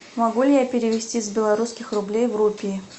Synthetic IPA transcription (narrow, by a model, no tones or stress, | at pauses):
mɐɡulʲɪjapʲɪɾʲɪvʲɪsʲtʲizbʲɪlˠɐɾuskʲɪxrʊblʲejvrupʲiː